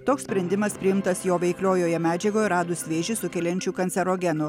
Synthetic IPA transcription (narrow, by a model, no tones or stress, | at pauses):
t̪oːkssʲpʲɾʲɛnʲd̪ʲɪmɐspʲɾʲɪɪmt̪ɐsjoːʋʲɛɪklʲoːjoːjɛmʲæːd͡ʒʲɛɡoːjɛɾɑːd̪ʊsʲʋʲeːʒʲɪsʊkʲɛlʲɛnʲt͡ʃʲuːkɐnʲsʲɛɾoːɡʲɛnʊ